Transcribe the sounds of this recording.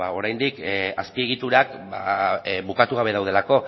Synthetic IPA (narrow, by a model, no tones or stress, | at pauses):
a̰o̞ɾajnd̪ikaspie̞ɣit̪uɾak | babukat̪uɣaβe̞ð̞awð̞e̞lako̞